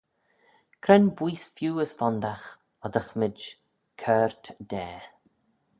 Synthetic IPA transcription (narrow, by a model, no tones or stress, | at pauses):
kʰɾɛnbwiːsfjuːəsfɔnd̪ax | ɔd̪əxmɪd͡ʒ | kʰɛːɹt̪d̪̥ɛː